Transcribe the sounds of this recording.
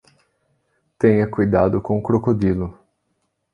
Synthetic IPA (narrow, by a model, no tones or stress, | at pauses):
t̪ẽɲɐkujd̪ad̪ʊkõʊkɾokod̪ilʊ